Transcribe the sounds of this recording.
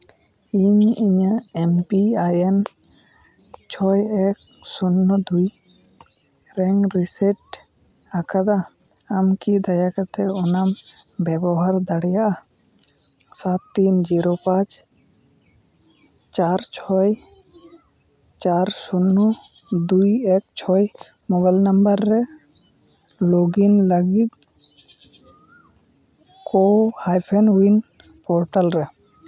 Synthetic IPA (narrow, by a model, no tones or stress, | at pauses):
iɲiɲəɛmpiajɛn | t͡ʃʰɔjɛk̚ | sunːɔd̪uj | ɾɛŋɾisɛʈ | akʰad̪aː | mkid̪ajakat̪ɛɔnam | bɛbɔɦaɾd̪aɽɛjaʔa | sat̪ːind͡ʒiɾopãt͡ʃ | t͡ʃaɾt͡ʃʰɔj | t͡ʃaɾsunːu | d̪uiek̚t͡ʃʰɔj | mobalnəmbəɾːɛ | loːɡinləɡik̪ | kohajpʰenin | poːɾʈəlɾɛ